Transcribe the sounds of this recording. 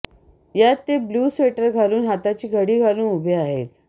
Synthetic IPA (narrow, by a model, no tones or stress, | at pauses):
jat̪ːebluːsʋeʈəɾɡʱaluːnɦat̪at͡ɕiːɡʱəɽiːɡʱalũːubʱeaɦet̪